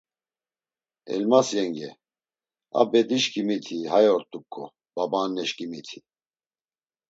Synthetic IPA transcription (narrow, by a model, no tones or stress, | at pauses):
ɛ̰lmasjɛŋɡɛ | a̰bɛd̪iʃkʼimit̪ʰihajɔɾt̪ʼukʼʰːɔ̰ | b̥abanɛʃkʼimit̪ʰi̥